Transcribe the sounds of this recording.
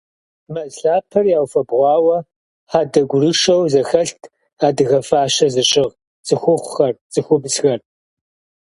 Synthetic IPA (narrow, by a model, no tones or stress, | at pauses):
mɐsɬaːpʰɐrjaːwfɐbʁʷɑːwɐ | ħaːdɐɡʷʊrɨʂɐwzɐxɐɬtʰ | aːdɨɣɐfaːʃɐzɨɕʼɪʁ | t͡sʼɨxʷʊχʷʊxɐrt͡sʼɨxʷʊbsxɐr